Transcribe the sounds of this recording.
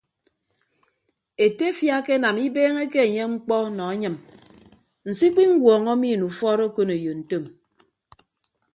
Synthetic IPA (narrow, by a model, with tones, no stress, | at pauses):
e˨te˦fja˦ke˦na˨mi˦beː˦ŋe˦ke˦e˨ɲe˦ŋ͡m̩˦k͡pɔ˦nɔ˨a˦ɲɨ˨m | n̩˨si˦k͡pi˦ŋ̩˦ɡwɔː˨ŋɔ˦mi˦˨nu˨fɔː˦ɾo˦ko˦ne˨jo˨n̩˨to˦˨m